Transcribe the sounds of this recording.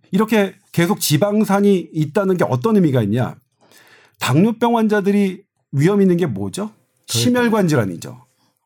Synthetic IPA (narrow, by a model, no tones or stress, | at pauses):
iɾʌkʰe̞ | ke̞sʰok̚t͡ɕibaŋsʰaɲiːt̚t͈anɯnɡe̞ʌ̰t͈ʌnɯmiɡaiɲɲa̰ | taŋɲop͈jʌŋwand͡ʑadɯɾi | ɥiɦʌminːɯnɡe̞mwʌd͡ʑo | ɕʰimjʌɭɡwand͡ʑiɾaɲḭd͡ʑo̰